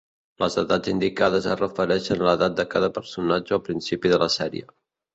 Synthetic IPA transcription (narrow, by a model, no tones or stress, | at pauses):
ləzəðad͡zind̪ikað̞əzərəfəɾɛʃənləðat̪̚d̪əkaðəpəɾsunad͡ʒəəpɾinsipiðələsɛɾḭə̰